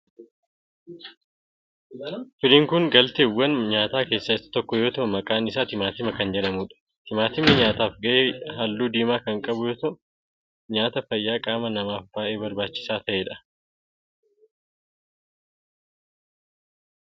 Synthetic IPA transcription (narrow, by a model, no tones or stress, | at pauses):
fɪliːŋkʊŋɡɐlt̪eːwːɐnɲaːt̪aːke̞ːsːaɪsɐ̥t̪ɔkːɔjo̞ːt̪ɐʔʊmɐkʼaːnɪsaːt̪ɪmaːt̪ɪmɐkɐnd͡ʒɛᶑɐmuᶑɐ̥ | t̪ɪmaːt̪ɪmɐɲaːt̪aːfɡɐʔeːɦalːuːd̪iːmaːkɐŋkʼɐbʊjo̞ːt̪ɐʔʊ | ɲaːt̪ɐfɐjːaːkʼaːmɐnɐmaːfbaːʔe̞ːbɐɾbaːt͡ʃːɪ̥saːt̪ɐʔeːᶑɐ̥